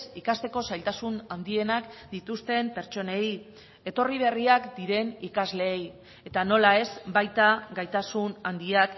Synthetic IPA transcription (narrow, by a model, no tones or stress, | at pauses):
sikast̪e̞ko̞sajlt̪asunand̪ie̞nakd̪̥it̪ust̪e̞mpe̞ɾt͡ʃo̞ne̞j | e̞t̪o̞riβ̞e̞riakd̪iɾe̞nikazle̞ːj | e̞t̪ano̞lae̞zbajt̪aɡajt̪asunand̪iak